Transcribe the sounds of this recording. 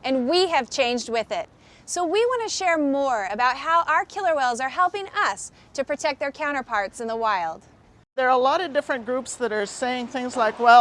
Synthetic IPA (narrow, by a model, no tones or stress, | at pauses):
ʔɨ̃nwiɨv̥t͡ʃʰẽɪ̃nd͡ʒd̚wɪðɪt̚ | soʊwiwɑ̃ñɨʃɛɹmɔɹɨbaʊt̚ɦaʊʔaʊə˞kʰɪlˠə˞wɛlˠzə˞ɦɛlˠpɪ̃ŋʌs | tʰɨpʰɹ̥ɨtʰɛk̪̚ðə˞kʰãʊ̃ɾ̃ə˞pʰɑɹtsɨ̃nðəwaɪlˠd̥ | ðə˞əlɔɾʌdɪfɹɨ̃nɡ̥ɹupsðəɾə˞seɪɪ̃ŋθɪ̃ŋzlaɪkwɛlˠ